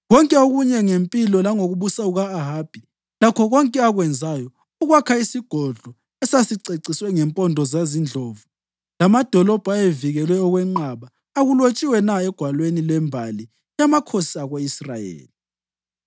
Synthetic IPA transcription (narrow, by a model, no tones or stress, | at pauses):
ɣɔŋkʼɛoɣuɲɛŋempʼilɔlaŋoɣuβusauɣaːɦaːb̥ʱi | lakʰɔɣɔŋkʼɛaɣwɛnd͡zʱajɔ | uɣwakʰaisiɡ̥ʱɔɮɔ | ɛsasiǀeǀiswɛŋɛmpʼɔndʱɔzazind͡ɮʱoːvu | lamad̥ʱɔlɔb̥ʱaeviɣɛlwɛɔɣwɛŋ͡ǃaβaː | ɣulot͡ʃʼiwɛnaɛɡ̥ʱwalwenilɛmbʱali | jamakʰosiaɣeisra̰jḛːli